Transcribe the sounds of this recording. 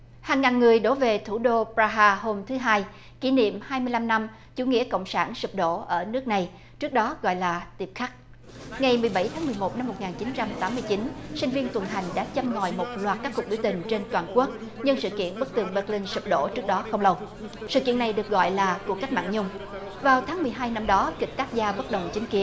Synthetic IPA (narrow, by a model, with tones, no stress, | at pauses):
haː˨˩ŋːaː˨˩nŋɨ˨˩əjɗo˨˦ve˨˩t̪ʰu˧˩ɗo˧pɾaː˧ɦaː˧ɦo˧mt̪ʰɨ˨˦ɦaː˧j | ki˧˩nḭ˧˨əmhaː˧jmɨ˧əjla˧mna˧m | t͡ɕṵ˧˩ŋḭ˧˥əkə̰˧˨wŋ͡msaː˧˩nsɨ˨˩p̚ɗo̰˧˥ʔəː˧˩nɨ˦˥ək̚na˨˩j | t͡ɕɨ˦˥ək̚ɗɔ˨˦ɣɔ̰˧˨jlaː˨˩t̪i˨˩əp̚xa˦˥k̚ | ŋa˨˩jmɨ˨˩əjɓa˧˩jt̪ʰaː˨˦mɨ˨˩əjmo˨˩t̚na˧mːo˨˩t̚ŋaː˨˩nt͡ɕi˨˦nt͡ɕa˧mt̪aː˨˦mːɨ˧əjt͡ɕi˨˦nsï˧ŋ̟vi˧ənt̪wə˨˩nɦa˨˩jŋ̟ɗa̰ː˧˥t͡ɕa˧mŋɔ̰˨˩jmo˨˩t̚lwaː˨˩t̚kaː˦˥kːu˨˩k̚ɓi˧˩wt̪ï˨˩ŋ̟t͡ɕe˧nt̪waː˨˩nku˦˥ək̚ | ɲɨ˧ŋsɨ̰˧˨kḭ˧˨ənɓə˦˥k̚t̪ɨ˨˩əŋɓə˦˥k̚li˧ŋ̟sɨ˨˩p̚ɗo̰˧˥t͡ɕɨ˦˥ək̚ɗɔ˨˦xə˧wŋ͡mlə˧w | sɨ̰˧˨kḭ˧˨ənːa˨˩jɗɨ˨˩ək̚ɣɔ̰˧˨jlaː˨˩ku˨˩ka˦˥jk̚ma̰ː˧˨nɲʊ˧ŋ͡m | vaː˨˩wt̪ʰaː˨˦ŋmɨ˨˩əjɦaː˧jna˧mɗɔ˨˦kï˨˩k̟̚t̪aː˦˥k̚zaː˧ɓə˦˥t̚ɗə˨˩wŋ͡mt͡ɕï˨˦ŋ̟ki˨˦ən